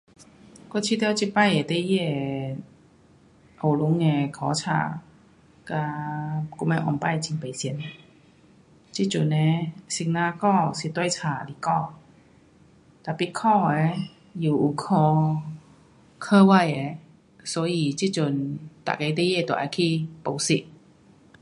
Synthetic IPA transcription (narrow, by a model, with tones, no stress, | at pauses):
kɔ˥˧˨t͡ɕʰi˧t̪jɛ˥˧˨t͡ɕi˧˩pa˥˨je˨˩t̪e˥˧jɛ˥˧˩ | ʔo˨˩lu˨˧˦ŋe˧kʰɔ˨˧˦t͡ɕʰa̰˧˩ | ka˧ku˧˥m˧˦ʔɔ̰˧npa˥˨jt͡ɕi˧˩ŋpe˨˩si˧˦n | t͡ɕi˥t͡ɕu˨˩ne˧˦si˧ŋnã˧kɔ˥˧si˨˩t̪wa˥˩jt͡ɕʰaː˧˩˧li˧˨kɔ˥˧˩ | t̪a˨˩pi˧t̚kʰɔː˥˧ɛ˧ | ju˨˩ʔu˨˩kʰɔ˧ | kʰəː˥˧wa˥˨jɛ˧˩ | sɔ˨˦ji˧˨t͡ɕi˥t͡ɕu˧˩nt̪a̰˨ke˧˦t̪e˥jɛ˥˧˩t̪ɔ̰˨˩ʔa˧˩kʰi˥po˨˩wsi˧˥ʔ̚